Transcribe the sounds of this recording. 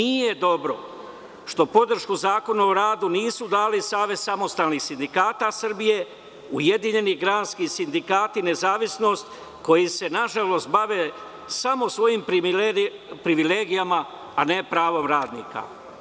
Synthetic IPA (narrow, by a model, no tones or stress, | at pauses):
nije̞d̪o̞bɾo̞̰ | ʃt̪o̞po̞d̪r̩ʃkuzaːko̞naoɾaːd̪uniːsud̪aːlisaːʋesamo̞st̪aːlˠnixsind̪ikaːt̪asr̩bije̞ | ujed̪iɲe̞niɡɾaːnskisind̪ikaːt̪ine̞zaːʋisno̞st̪ | ko̞jise̞naʒalˠo̞st̪̚baʋe | samo̞sʋo̞jimpɾi | pɾiʋileːɡijamaː | ne̞pɾaːʋo̞mɾaːd̪nḭːka̰